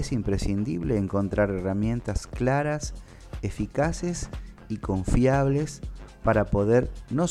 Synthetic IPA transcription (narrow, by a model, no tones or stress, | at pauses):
esimpɾesind̪ḭβleːŋko̞nt̪ɾaɾeramjẽ̞nt̪asklaɾas | efikases | iko̞ɱfjaβlespaɾapo̞ðeɾno̞